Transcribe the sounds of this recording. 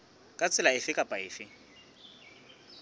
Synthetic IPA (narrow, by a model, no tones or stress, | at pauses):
kʼat͡sʼɪlaɪfɪkʼapʼaɪːfɪ